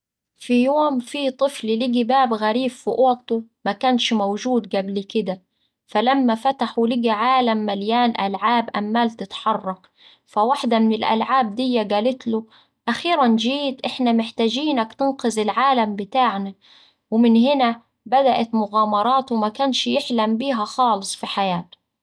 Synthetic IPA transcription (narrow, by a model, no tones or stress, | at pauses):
fijoːmfiːt̪ˤɨfllɪɡibaːbɣaɾiːbfʊʔoːt̪ʊmakaːnʃmawʒuːd̪ɡablkɪd̪a | falamːafat̪aħwɪlɪɡiʕaːlamːaljaːnʔalʕaːbʔamːaːlt̪ɪt̪ħɑrˤːɑk | fawaħd̪amɪnɪlʔa̰lʕaːb̚d̪ɪjːaɡaːlɪt̪lʊ | ʔaxiːɾand͡ʒiːt̪ʔɪħnamɪħt̪aːʒiːnakt̪ɪnqɨzɪlʕaːlambɪt̪aːʕna | wɪmɪnhɪna | bad̪aʔat̪mʊɣaːmɑɾˤɑːt̪wmakaːnʃjɪħlambiːɦaxɑːlɨsˤfiħajaːt̪ʊ̥